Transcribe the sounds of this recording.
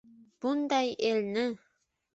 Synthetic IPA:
b̥und̪ɑjelnɘ

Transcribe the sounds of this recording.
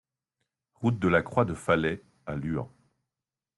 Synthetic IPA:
ʁut̪̚d̪əlakχwad̪əfalɛ | alyɑ̰̃

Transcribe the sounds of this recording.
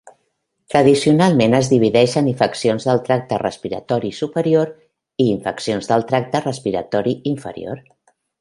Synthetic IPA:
t̪ɾəðisiunalˠmenəzðiβ̞iðɛʃəniɱfəksionzðəlˠt̪ɾak̚t̪ərə̰spiɾə̰t̪ɔɾisupəɾioɾ | iːɱfəksionzðəlˠt̪ɾak̚t̪ərəspiɾət̪ɔɾiiɱfə̰ɾḭo̰ɾ

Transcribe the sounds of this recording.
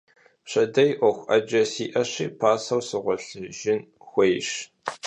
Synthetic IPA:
ɕɐdɐjʔʷɔxʷʔɐ̰d͡ʒɐsiːʔɐɕiːpʰaːsɐwsɨʁʷɔɬɨʒɪn | xʷejɕ

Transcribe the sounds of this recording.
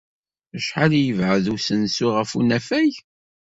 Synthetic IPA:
əʃħaljəvʕəðusənsʊʁəfunæfæj

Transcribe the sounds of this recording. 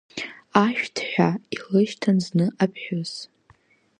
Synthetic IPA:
aʃᶣtʰħʷᶣailɨʃtʰanznɨʔapʰħʷᶣoz̥

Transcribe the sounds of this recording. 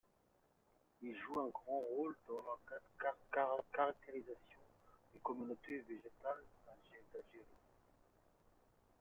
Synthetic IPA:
ilʒuɛ̃ɡʁɑ̃ʁold̪ɑ̃lɑkad̪kakakaʁak̚t̪eʁizasjɔ̃d̪̥ekɔmynot̪eveʒet̪ald̪aʒed̪alʒeʁi

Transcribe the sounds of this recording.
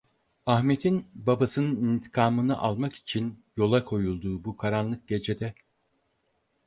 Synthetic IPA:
ahmet̪ʰinbabasɯnɯnint̪ʰi̥kʰaːmɯnɯʔalˠmaki̥t͡ʃʰinjo̞lˠakʰo̞julˠd̪uːbukʰaɾanlˠɯk̚ɟe̞d͡ʒe̞d̪ɛ

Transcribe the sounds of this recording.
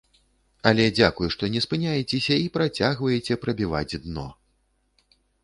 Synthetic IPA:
ɐlʲɛd͡zʲakujʂt̪ɔnʲɛspɨnʲajɛt͡sʲɛsʲɐipɾat͡sʲaɣvɐjɛt͡sʲɛpɾɐbʲiva̰d͡zʲd̪nɔ̰

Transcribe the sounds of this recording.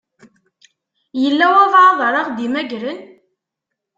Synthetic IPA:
jəlːæwævʕɑðˤɾˤɑʁd̪imæʝɾən

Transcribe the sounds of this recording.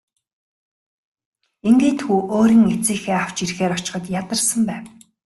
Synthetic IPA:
eŋɡeːt̪xuːʔoːɾiːŋet͡siːxeːaw̥t͡ɕirxeːɾɔt͡ɕɪ̥̆χə̆t̪jat̪ə̆rsə̆mpæːw

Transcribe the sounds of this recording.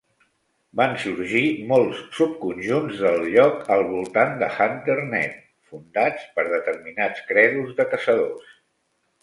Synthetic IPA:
bansuɾʒimolˠssup̚kunʲʒunzðəlˠʎɔkəlˠβulˠt̪and̪əxant̪ərnɛ̰t̪̚ | fund̪at͡spəɾð̞ət̪əɾminat͡skɾɛðuzðəkəsəð̞os

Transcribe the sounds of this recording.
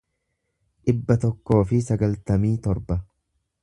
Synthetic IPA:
ᶑɪbːɐt̪ɔkːo̞ːfɪsɐɡɐlt̪ɐmiːt̪ɔɾbɐ

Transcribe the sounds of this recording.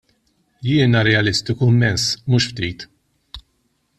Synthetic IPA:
jɪːnɐɾɛɐlɪst̪ɪkumːɛnsmuːʃft̪iːt̪

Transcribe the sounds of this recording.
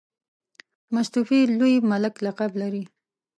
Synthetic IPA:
mast̪ufilojmalɪklaqablaɾi

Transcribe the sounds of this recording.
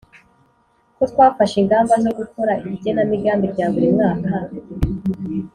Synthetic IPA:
kot̪waːfaʃiŋɡaːmbano̞ɡukoɾaiɟenamiɡaːmbiɾɟaːβuɾemŋaːka

